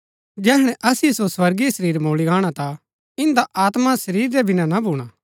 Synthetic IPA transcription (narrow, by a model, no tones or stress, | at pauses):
d͡ʒɛːɦɽ̃ɛ̃ʔɐsɪjesoswɐɾɡisɐɾiːɾmoːliɡaːɽ̃at̪a | ɪ̃nd̪aʔaːt̪masɐɾiːɾdɛbʱɪnãnabʱuːɽ̃a